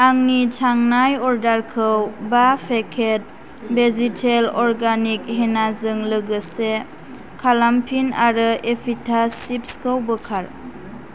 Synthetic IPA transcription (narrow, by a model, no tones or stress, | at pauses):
aŋnitʰaŋnajɔɾdaɾkʰɯwbapʰekʰet̚ | bezitʰelɔɾɡanik̚ɦenazɯŋlɯɡɯse | kʰalampʰinaɾɯepʰitʰasip̚skʰɯwbəkʰaɾ